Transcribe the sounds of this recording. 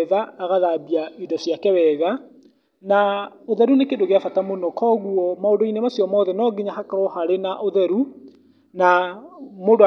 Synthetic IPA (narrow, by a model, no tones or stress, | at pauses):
ðaːɣaðabiaidɔsjakɛwɛːɣa | naoðɛɾunekendoɣeafatamonɔkʰɔɣuɔmaondoinemasjɔmɔðɛnɔɡeɲaɦakaɾɔhaɾenaʔoðɛɾu | na | modo